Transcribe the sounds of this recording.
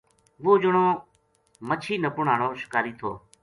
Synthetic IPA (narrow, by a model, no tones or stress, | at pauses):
ʋoːd͡ʒəɳoː | mət͡ʃʰiːnəpʊɳaːɳoːʃɪ̥kaːɾiːt̪ʰo̰ː